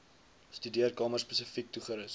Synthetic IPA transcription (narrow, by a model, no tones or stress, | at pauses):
stydiərkɑːmərspəsəfik̚tuχəɾəs